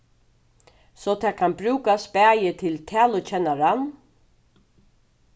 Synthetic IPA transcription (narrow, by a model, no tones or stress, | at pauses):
sɔt̪ʰaːkʰanbɾʉːkaspæːjət̪ʰɪlt̪ʰæːlʊt͡ʃɛnaɾan